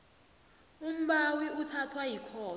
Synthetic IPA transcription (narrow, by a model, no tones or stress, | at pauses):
um̩ɓawiutʰatʰwajikʰɔː